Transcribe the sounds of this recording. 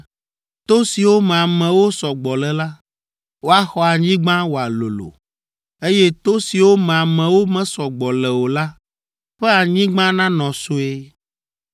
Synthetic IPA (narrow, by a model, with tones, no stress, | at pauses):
t̪o˦si˨wo˦mẽ˨a˨mɛ̃˨wo˦sɔ˨ɡ͡bɔ˨lɛ˨la˦ | wo˦a˦xɔ˦a˨ɲĩ˦ɡ͡bã˦wo˨a˨lo̰˨lo̰˨ | e˦je˦t̪o˦si˨wo˦mɛ̃˨a˨mɛ̃˨wo˦mɛ̃˦sɔ˨ɡ͡bɔ˨lɛ˨wo˨la˦ | ɸɛ˦a˨ɲĩ˦ɡ͡bã˦nã˦nɔ̃˨su˦e˦